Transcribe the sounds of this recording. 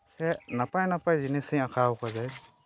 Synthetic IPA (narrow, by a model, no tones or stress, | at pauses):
sɛnapajnapajzinɛsiakʰaɔkazaj